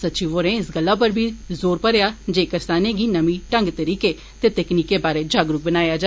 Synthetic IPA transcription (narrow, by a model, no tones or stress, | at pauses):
sətːt͡ʃiːʋoːɾẽːɪsɡəlːaːp̬əɾbʱiːzoːɾpəɾejaːd͡ʒeːkəɾsaːneːɡiːnəmĩːʈə̃ŋɡt̪əɾiːkeː | t̪eːt̪ɛkniːkeːbaːɾeːd͡ʒaːɡɾʊk̚bənaːjaːd͡ʒa